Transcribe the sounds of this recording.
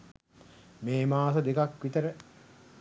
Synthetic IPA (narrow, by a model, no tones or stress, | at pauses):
meːmaːsɐd̪ekakʋit̪əɾə